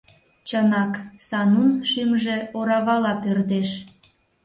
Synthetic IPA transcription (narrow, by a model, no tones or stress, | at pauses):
t͡ɕənɑksɑnunʃymʒĕoɾɑβɑlɑpørd̪eʃ